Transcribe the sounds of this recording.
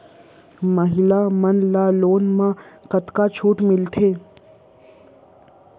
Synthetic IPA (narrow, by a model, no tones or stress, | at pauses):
məɦɪlamənlaloːnmãkət̪kat͡ʃʰuːʈmɪlt̪ʰeː